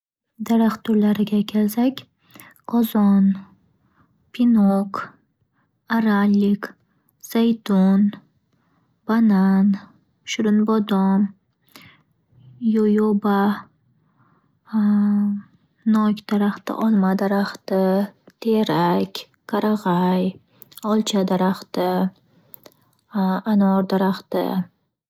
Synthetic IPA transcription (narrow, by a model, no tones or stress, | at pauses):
d̪aɾaχt̪ʰʊɾlaɾɪɡʲakʲʰelsakʲ | qʰɒzɒn | pʰinok | aɾalʲːik | z̥ajt̪ʰɔn | banan | ʃʊɾʊnbɒd̪ɔn | jojoba | nɒkʲd̪̥aɾaχt̪ɪ̰ʔɒlˠmad̪aɾaχt̪ɪt̪ʰeɾakʲ | kʰaɾaʁɑj | ɒlˠt͡ʃʰad̪aɾaχt̪ɪ | anɒɾd̪aɾaχt̪ɪ̰